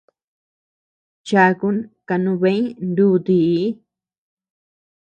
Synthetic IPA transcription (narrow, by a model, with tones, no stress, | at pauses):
t͡ʃa˧ku˧˦nka˧nũ˧βẽ˦ĩ˦nd̪u˦˧t̪i˧˦